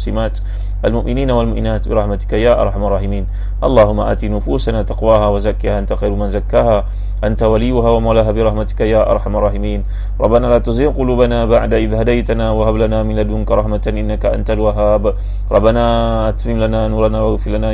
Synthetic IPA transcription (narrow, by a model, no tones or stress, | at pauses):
sɪmaːt̪ | ʔalmʊʔmɪniːnawalmʊʔmɪnaːt̪bɪɾˤɑħmat̪ɪ̥kajaːʔɑ̰ɾˤħamɑrˤːɑːħɪmiːn | ʔɑ̰lˤːɑːɦʊmːa̰ʔa̰ːt̪inʊfuːsanaːt̪ɑqwaːhaːwazakːɪhaːʔant̪axɑjɾmanzakːaːha | ʔant̪awalɪjːʊɦaːwamawlaɦaːbɪɾˤɑħmat̪ɪ̥kajaːʔɑ̰ɾˤħamɑrˤːɑːħɪmiːn | ɾˤɑ̰bːanaːlaːt̪ʊziːmqʊluːbanaːbaʕd̪aʔɪðhad̪ajt̪anaːwahablanaːmɪlad̪ʊŋkaɾˤɑħmat̪ʔɪnːakaʔa̰nt̪alwaɦaːb | ɾˤɑbːanaː | ʔat̪mɪnlanaːnuːɾˤɑnaːwaɣfilanaː